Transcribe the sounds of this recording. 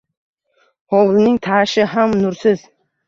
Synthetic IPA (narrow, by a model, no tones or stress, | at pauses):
hɒwlɪnɪŋt̪ʰaʃɪɦamnʊɾsɪz̥